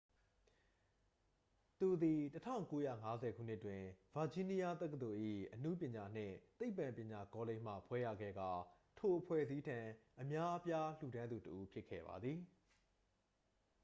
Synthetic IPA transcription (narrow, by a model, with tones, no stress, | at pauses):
t̪u˨d̪i˨tətʰã̰˦˨ʊ̃ŋko˦jä̰˦˨ŋa˦zɛ˨ɡṵ˦˨n̥ɪ˦ʔtːwɪ̃˨v̥a˨d͡ʑĩ˦ni˦ja˦t̪ɛ˦kə˨d̪o˨ʔḭ˦˨ʔənṵ˦˨pjɪ̃˨ɲa˨n̥ɪ̰̃˦˨t̪e˦ɪpːã˨mpjɪ̃˨ɲa˨kɔ˦le˦˨m̥ä̰˦˨pʰwɛ˦jä̰˦˨ɡɛ̰˦˨ɡa˨ | tʰo˨ʔəpʰwɛ̰˦˨zi˦tʰã˨ʔəmja˦ʔəpja˦l̥u˨ɾã˦nd̪u˨təʔu˦pʰjɪ˦ʔkʰːɛ̰˦˨ba̰˨d̪ði˨